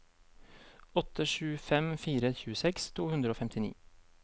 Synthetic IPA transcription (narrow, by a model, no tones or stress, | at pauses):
ɔt̪ʰəʃʉːfɛmfiːɾəçʉːəsɛkst̪ʰuːhʉnd̪ɾəoːfɛmt̪ɪnḭː